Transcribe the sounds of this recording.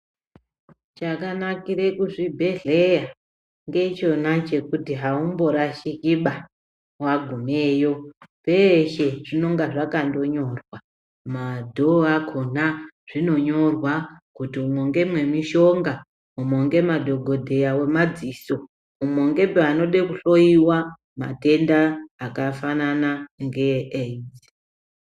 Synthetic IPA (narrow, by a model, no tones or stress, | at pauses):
t͡ʃakanakiɾe̞kuʐibʱe̞ɮe̞ja | ŋɡe̞t͡ʃo̞nat͡ʃe̞kutiɦaumbo̞ɾaʃikiɓa | waɡʱume̞ːjo̞pe̞ʃe̞ʐino̞ŋɡaʐakando̞ɲo̞rwa | madʱoakʰonaʐ̥ino̞ɲo̞rwakutiumoŋɡe̞mwe̞miʃo̞ŋɡa | umoŋɡe̞madʱo̞ɡʱo̞dʱe̞jawe̞mad͡ziso̞ | umoŋɡe̞peano̞ɗekuɬo̞iwa | ma̰te̞ndaːkafananaŋɡeʔed͡zi